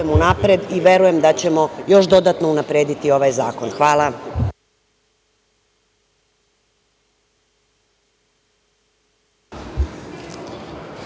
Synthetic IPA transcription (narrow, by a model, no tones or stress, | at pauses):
emunapɾed̪iʋe̞ɾuje̞md̪at͡ɕe̞mo̞jo̞ʃd̪o̞d̪at̪no̞unapɾeːd̪it̪io̞ʋajzaːko̞nxʋaːlˠa